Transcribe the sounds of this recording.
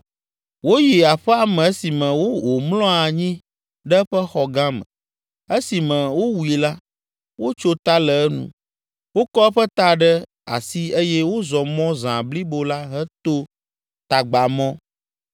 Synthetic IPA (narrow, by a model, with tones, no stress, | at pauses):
wo˦ji˨a˨ɸɛ˦a˨mɛ̃˨ɛ˦si˨mɛ̃˨wo˦o˨mlɔ̃˦a˨ɲĩ˦ | ɖɛ˦ɸɛ˦xɔ˨ɡã˦mɛ̰̃˨ | ɛ˦si˨mɛ̃˨wo˦wu˨i˨la˦ | wo˦t͡ʃo˦t̪a˦lɛ˨ɛ˦nṵ̃˨ | wo˦kɔ˦ɛ˦ɸɛ˦t̪a˦ɖɛ˦ | a̰˨si˦e˦jɛ˦wo˦zɔ˨mɔ̃˦zã˨bli˦bo˦la˦ɦɛ˦t̪o˦ | t̪a˨ɡ͡ba˨mɔ̃˦